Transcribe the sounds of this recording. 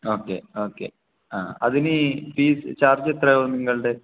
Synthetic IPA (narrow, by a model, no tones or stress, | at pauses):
oːkːḛoːkːe̞̰ | a̰ːɐðinɨpiːsɨt͡ɕaːrd͡ʑɐt̪rɐjoːniŋːɐɭɖe